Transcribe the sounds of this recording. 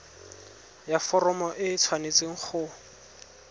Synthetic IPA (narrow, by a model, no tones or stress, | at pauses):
jafɔrɔmɔʔɪt͡sʰwanet͡sɪŋ̩χʰʊ